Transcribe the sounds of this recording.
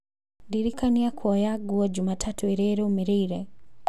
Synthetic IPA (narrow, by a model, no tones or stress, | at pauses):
ndiɾikaniakʰuɔjaɡuad͡ʒumatʰatuɛɾɛɾɛumiɾiɾɛ